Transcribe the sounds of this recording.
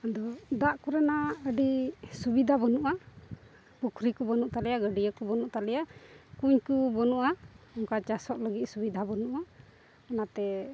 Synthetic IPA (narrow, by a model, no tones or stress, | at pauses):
ad̪ɔd̪aʔkuɾɛnaəɖisubid̪ʱabɔnuʔa | pukʰɾikɔbɔnuʔt̪alɛjaɡəɖijəkɔbɔnuʔt̪alɛjakuɲkubɔnuʔaɔŋkat͡ʃasɔʔləɡit̪̚ˀsubid̪ʱabɔnuʔa | ɔnat̪ɛ